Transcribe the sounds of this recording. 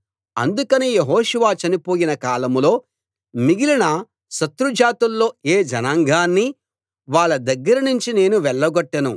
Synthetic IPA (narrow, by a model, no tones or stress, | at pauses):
ɐ̰nd̪ukɐnijeɦoːʃuʋaːt͡ʃɐnipo̞ːjinɐkaːlɐmlo̞ː | miɡilinɐ | ʃɐt̪ɾud͡ʒaːt̪ulːo̞ːeːd͡ʒɐnaːŋɡʱaːnːi | ʋaːɭːɐd̪ɐɡːɐɾɐnuɲt͡ʃine̞ːnuʋɛɭːɐɡɔʈːɐnu